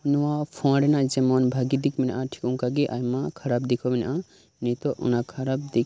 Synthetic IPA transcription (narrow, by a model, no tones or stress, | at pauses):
nuwapʰɔ̃ɽenad͡ʒemɔnbʱaɡid̪ikminʔãʈʰi̥kũŋkaɡeʔajmakʰɐɾabd̪ikʰɔmin̰ʔã | nit̪oʔṵnakʰɐɾab̚d̪ikʰ